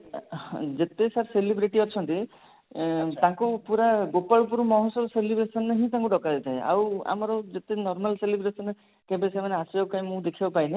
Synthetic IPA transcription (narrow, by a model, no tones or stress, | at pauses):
d͡ʒet̪esaɾselibɾiʈiɔt͡ʃʰɔnt̪i | t̪ãŋkupuɾaɡopaɭɔp̬uɾmɔɦɔ̃sɔbɔselibɾesɔneɦĩt̪aŋkuɖɔkad̪it̪ʰaea̰wa̰mɔɾɔd͡ʒet̪enɔɾmalselibɾesɔne | kebesemaneasakaĩmũd̪ekʰibɔpajne